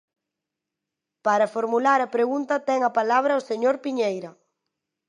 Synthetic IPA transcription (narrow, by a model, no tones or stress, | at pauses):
paɾɐfoɾmulaɾɐpɾeɣunt̪ɐt̪ɛŋɐpalaβ̞ɾɐoseɲoɾpiɲejɾɐ